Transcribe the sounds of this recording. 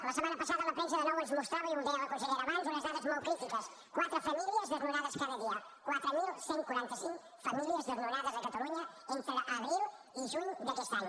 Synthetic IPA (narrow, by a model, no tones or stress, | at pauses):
lɐsemãnɐpɐsaðɐlɐpɾẽns̬ɐðɐnɔwɐnzmust̪ɾaβɐiũd̪eɾɐlɐkõnseʎeɾɐmãnz̬unɐzðaðɐzmawkɾit̪ikɐs | kwat̪ɾufɐmiliɐzðeɾnuɾaðɐskaðɐðiɐ | kwat̪ɾumilˠsẽŋkwɐɾẽnt̪ɐsĩŋk | fɐmiliɐzðeɾnuɾaðɐzðɐkɐt̪ɐluɲɐẽnt̪ɾɨɐβɾilˠ | iʒuʎud̪ɐkest̪an